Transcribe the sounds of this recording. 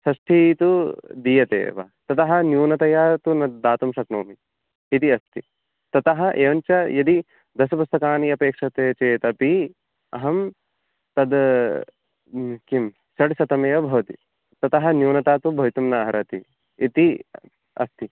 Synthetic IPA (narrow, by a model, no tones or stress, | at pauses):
sɐʂʈʰit̪ud̪iːjɐt̪ḛːʋa̰t̪ɐt̪ɐɦɐnjuːnɐt̪ɐjaːt̪unɐd̪aːt̪umʃɐknoːmiː | t̪iɐst̪i | t̪ɐt̪ɐɦɐ̆ʔeːʋɐnt͡ʃɐjɐd̪i | d̪ɐsɐpust̪ɐkaːniɐpeːkʂɐt̪eːt͡ʃeːt̪ɐpi | ɐɦɐm | t̪ɐd̪ | kim | sɐɽsɐt̪ɐmeːɐbʱɐʋɐt̪i | t̪ɐt̪ɐɦɐ̆njuːnɐt̪aːt̪ubʱɐʋit̪umnɐɐɦɐɾɐt̪iː | t̪i | ɐ̰st̪i